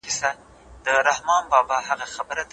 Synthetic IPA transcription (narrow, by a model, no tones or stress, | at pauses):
ɪsa | d̪əɾahmɑnbɑbɑhaɣaxabəɾad̪